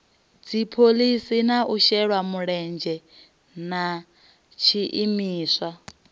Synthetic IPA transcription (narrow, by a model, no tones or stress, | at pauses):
d͡zipʰolisinaʔuʃɛɺwamuɺɛnd͡ʒɛ | na | t͡ʃʰiʔimiːswa